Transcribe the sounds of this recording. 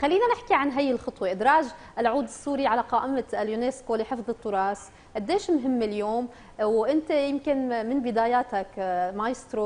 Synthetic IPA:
xalːiːnanɪħkiʕanɦajːɪlxɑt̪ˤweʔɪd̪ɾˤɑːʒ | ʔɪlʕuːd̪ɪsːuːɾiʕalaqɑːʔɪmaljuneskolɪħɨfðˤɨt̪ˤːʊɾˤɑːs | ʔad̪ːeːʃmɦɪmːɪljoːm | wʔɪnt̪ejɪmkɪnmɪnbɪd̪aːjaːt̪akmajst̪ɾo

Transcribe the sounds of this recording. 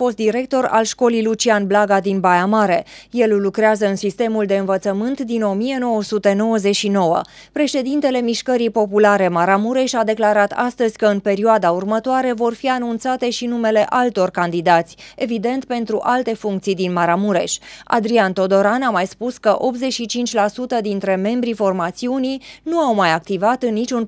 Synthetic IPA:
fo̞st̪̚d̪iɾe̞k̚t̪o̞ɾa̰lʃko̞lijlut͡ʃianblaɡad̪inbajamaɾeje̞lulukɾeazəɨnsist̪e̞muld̪e̞ɨnvət̪səmɨnt̪d̪ino̞mije̞no̞wəsut̪e̞no̞wəze̞tʃino̞wə̰ | pɾe̞ʃe̞d̪int̪e̞le̞miʃkəɾijpo̞pulaɾe̞maɾamuɾe̞ʃad̪e̞klaɾat̪a̰st̪əzʲkəɨnpe̞ɾioad̪aurmət̪oaɾe̞vo̞rfianunt̪sat̪e̞ʃinume̞le̞ʔalt̪o̞rkand̪id̪at̪sʲe̞vid̪e̞nt̪pe̞nt̪ɾuʔalt̪e̞fuŋkt̪sijd̪inmaɾamuɾe̞̰ʃa̰d̪ɾiant̪o̞d̪o̞ɾanamajspuskəʔo̞pze̞t͡ʃʃit͡ʃint͡ʃʲlasut̪əd̪int̪ɾe̞me̞mbɾifo̞rmat̪siunijnuawmajak̚t̪ivat̪ɨnːit͡ʃʲun

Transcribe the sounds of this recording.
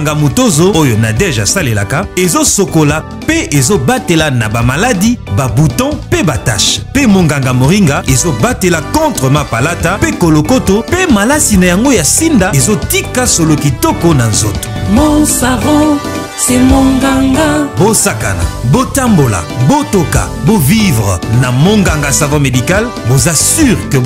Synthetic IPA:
ŋɡamotozoojona̰dɛʒa̰salela̰kaezosokola | peʔezobatelana̰bamaladibabutɔ̃pebata̰ʃpemoŋɡaŋɡamoʁiŋɡaezobatelakɔ̃tʁəmapalatapekolokotopemalasinajaŋɡojasindaezotikasolokitɔkɔnanzo̰to̥mosavɔ̃ | sɛmoŋɡaŋɡabosaka̰na̰botambola̰botoka̰bovivʁənamoŋɡaŋɡasavɑ̃medikal | bozasyʁkə

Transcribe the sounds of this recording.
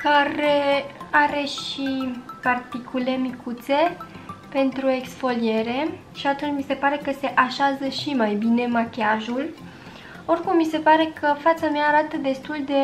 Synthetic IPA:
kaɾe̞aɾe̞ʃipart̪ikʰule̞mikut̪se̞pe̞nt̪ɾue̞ksfo̞lie̞ɾe̞ | ʃiat̪unt͡ʃmise̞paɾe̞kəse̞ʔaʃazəʃimajbine̞makʲiaʒul | o̞rkumːise̞paɾe̞kʰəfat̪sameaːɾat̪əd̪e̞st̪uld̪e̞

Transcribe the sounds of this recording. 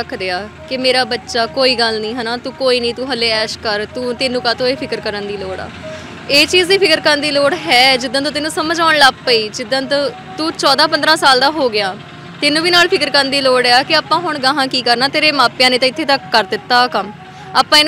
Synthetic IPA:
əkʰd̪eaː | kɪmeːɾaːbətːʃaːkoːiːɡəlnĩːɦənaːt̪ũːkoːiːnĩːt̪ũːɦəlːeːɛːʃkəɾt̪ũːt̪ɪnũːkãːt̪õːeːpʰɪkəɾkəɾənd̪iːloːɽa̰ː | eːt͡ʃiːzd̪iːpʰɪkəɾkəɾənd̪iːloːɽɦɛːd͡ʒɪd̪ːãːt̪õt̪ɪnũːsəməd͡ʒaːʊɳlapːəiːd͡ʒɪd̪ãːt̪oː | t̪ũːt͡ʃɔːd̪aːpənd̪ɾãːsaːld̪aːɦoːɡɪaː | t̪ɪnũːbiːnaːlpʰɪkəɾkəɾənd̪iːloːɽaːkɪaːpãːɦʊɳɡãːɦãːkiːkəɾnaːt̪eːɾeːmaːpjãːnẽːt̪ãɪt̪ʰːeːt̪əkːəɾd̪ɪt̪ːaːkəm | aːpãːɪn

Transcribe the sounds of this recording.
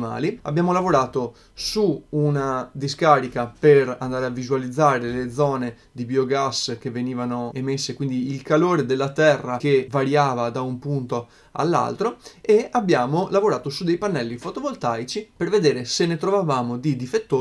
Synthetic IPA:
ma̰ːlia̰bːjaːmolavoɾaːt̪o | suːnad̪iskaːɾikaperand̪aːɾeavːizualid̪zːaːɾeled̪zɔːne | d̪ibioɡask̟eveniːvanoemesːekwind̪iːlkaloːɾed̪elːat̪ɛrːak̟evaɾjaːvad̪aumpunt̪o | a̰lːa̰lt̪ɾoeabːjaːmolavoɾaːt̪osud̪ːejpanːɛlːifot̪ovolt̪ajt͡ʃiperved̪eːɾesenːet̪ɾovavaːmod̪id̪ifet̪ːoː

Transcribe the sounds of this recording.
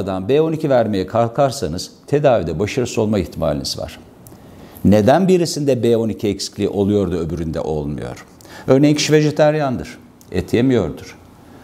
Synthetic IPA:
ad̪anbeo̞nicʰivæɾme̞jɛkʰalˠkʰaɾsanɯz̥t̪ʰe̞d̪aːvid̪ɛbaʃaɾɯso̞lˠmaiçt̪ʰima̰ːlʲinizva̰ɾ̥ | ne̞d̪ænbiɾisind̪ɛbeo̞nicʰiɛcsi̥clʲiʔo̞lˠujo̞ɾd̪uø̞byɾynd̪ɛ̰ʔo̞lˠmṵjo̞̰ɾ̥ | øɾnejicʰʲi̥ʃve̞ʒet̪ʰaɾjand̪ɯɾ̥ | ɛt̪ʰjemijo̞̰ɾd̪uɾ̥

